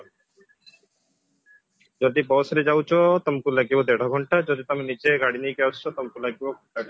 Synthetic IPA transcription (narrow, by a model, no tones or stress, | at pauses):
d͡ʑod̪ibɔsɾid͡ʑawt͡ɕʰot̪ɔmkulaɡibod̪ɛɽaɡʱɔɳʈad͡ʑod̪it̪ɔminit͡ɕeɡaɽinejkɛwt͡ʃʰt͡ʃʰɔt̪ɔmkulaɡibok | a